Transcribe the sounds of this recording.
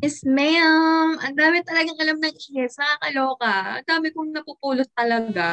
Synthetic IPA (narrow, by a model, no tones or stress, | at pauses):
mɪsmɛamʔɐnd̪aːmɪt̪ɐlɐɡɐŋʔɐlamnɐŋʔihɛt̪sɐkakɐloːkɐʔɐ̰nd̪aːmɪkoŋnɐpupuːlost̪ɐlɐɡa